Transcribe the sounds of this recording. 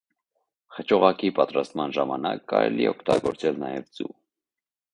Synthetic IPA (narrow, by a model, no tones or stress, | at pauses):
χət͡ʃʰɔʁɑkipɑt̪ɾɑst̪mɑnʒɑmɑnɑkːɑɾɛliɛɔkʰt̪ɑɡɔɾt͡sɛlnɑjɛvd͡zu